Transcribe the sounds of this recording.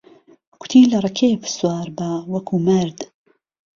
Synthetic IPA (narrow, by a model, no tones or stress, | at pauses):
kʰʷʊ̥t̪ʰiːlɐrˤɐkʰeːfswɑːɾbawɐkʰuːmɐɾd̪